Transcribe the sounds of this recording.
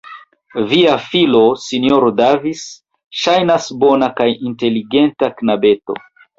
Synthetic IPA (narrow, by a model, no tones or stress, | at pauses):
viafilo̞sinio̞ɾodavis | ʃajnasbo̞nakajinte̞liɡe̞ntaknabe̞to̞̰